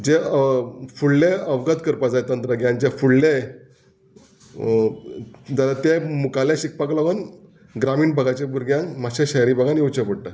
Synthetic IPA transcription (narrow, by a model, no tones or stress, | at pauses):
d͡ʑe | fuɭlẽəʋɡət̪kəɾpad͡zajt̪ənt̪ɾəɡjãɲt͡ɕafuɭle | d͡zalat̪emukalẽɕik̚paklaʋən | ɡɾamiːnbʱəɡat͡ɕebʱuɾɡjãnmaɕeɕəjɾibʱəɡanjewt͡ɕəpəɽʈa